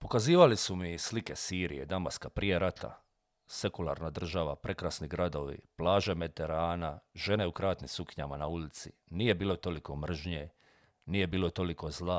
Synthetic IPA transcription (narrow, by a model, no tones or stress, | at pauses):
po̞kaziːʋalisumislike̞siːɾḭje̞̰d̪ama̰skapɾijeɾat̪ʰa̰ | se̞kulˠa̰ːɾnad̪r̩ʒaʋapɾe̞kɾasniɡɾad̪o̞ʋḭplaːʒe̞met̪eɾaːnaʒe̞ne̞ukɾaːt̪nisukɲamanaulit̪sḭniːje̞biːlo̞t̪o̞liko̞mr̩ʒɲe | nije̞biːlˠo̞t̪o̞liko̞zlˠa